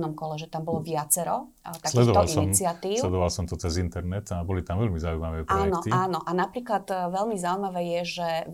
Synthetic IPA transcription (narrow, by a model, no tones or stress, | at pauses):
nɔmkɔlɛʒɛt̪ambɔlɔʋɪat͡sɛɾɔ | t̪akslɛd̪ɔʋt̪aɔlisɔimt͡siɪat̪iːslɛd̪ɔʋalsɔmt̪ɔt͡sɛzint̪ɛɾnɛt̪abɔlit̪amvɛlmizauimaʋɛːpaɔːnɛkɔt̪iaːnɔʔanapɾiːklad̪ʋɛlmizaʊimaʋɛːjɛʒɛ